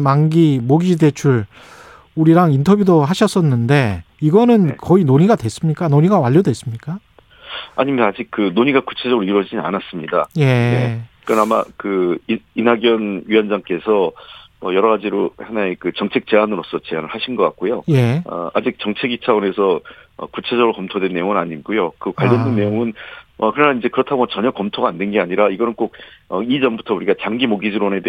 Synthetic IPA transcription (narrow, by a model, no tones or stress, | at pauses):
maŋɡimoɡide̞t͡ɕʰuɭ | uɾiɾaŋintʰʌbjudoɦaɕʰʌs͈ʌnːɯnde̞ | iɡʌnɯnkʌinoɲiɡadwe̞s͈ɯmɲik͈anoɲiɡawaʎːodwe̞s͈ɯmɲik͈a | a̰ɲimʌnad͡ʑik̚kɯnoɲiɡaku̥t͡ɕʰe̞d͡ʑʌɡɾɭiɾwʌd͡ʑiina̰nas͈ɯmɲida̰je̞ekɯɾʌnama̰kɯiinɦaɡjʌnɥijʌnd͡ʑaŋk͈e̞sʰʌmʌjʌɾʌɣad͡ʑiɾohenaekɯt͡ɕʌŋt͡ɕʰe̞k̚t͡ɕe̞anɯɾos͈ʌt͡ɕe̞anɯɭhaɕʰinɡʌk͈a̰tk̚k͈ojoʌ̰a̰d͡ʑik̚t͡ɕʌŋt͡ɕʰe̞ɡit͡ɕʰawone̞sʰʌʌ̰kut͡ɕʰe̞d͡ʑʌɡɯɾokʌmtʰodwe̞nːe̞joŋɯnaɲiɡojokɯkwaʎːʌndwenːe̞joŋɯnʌkɯɾʌnaind͡ʑe̞kɯɾʌtʰaɡoʌt͡ɕʌɲʌkʌmtʰoɡaːndenɡe̞aɲiɾaiɡʌnɯnk͈ok̚ʌid͡ʑʌmbutʰʌuɾiɡat͡ɕaŋɡimoɡid͡ʑiɾone̞de